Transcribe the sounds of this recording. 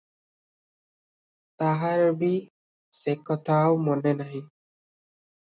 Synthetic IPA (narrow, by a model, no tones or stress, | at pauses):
t̪aɦaɹbi | sekɔt̪ʰaʊmɔnɛnaɦĩ